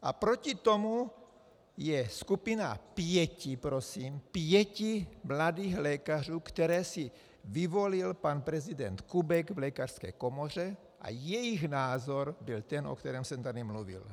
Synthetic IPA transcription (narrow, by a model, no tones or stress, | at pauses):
ʔapɾocit̪omu | jɛskupinapjɛcipɾosiːmpjɛcimladiːɣlɛːkar̝uːkt̪ɛɾɛːsi | vivo̞lilpanpɾɛzid̪ɛnt̪kubɛɡvlɛkarskɛ̰ːkomor̝ɛ | ʔa̰jɛjiɣnaːzoɾbilt̪ɛnʔo̰kt̪ɛɾɛːmsɛmt̪adimluvḭl